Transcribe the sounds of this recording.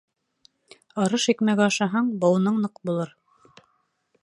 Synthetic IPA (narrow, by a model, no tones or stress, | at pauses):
ɑɾɤʃikmæɡæɑʃɑɦɑɴbɤ̆wnɤɴnɤqbulˠɤɾ